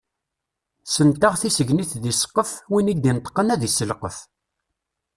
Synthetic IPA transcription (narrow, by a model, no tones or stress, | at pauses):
sənt̪aʁθisəʝniθðisə̥qːəfwiniɡd̪int̪ːˤə̥qːənæðisːəlqəf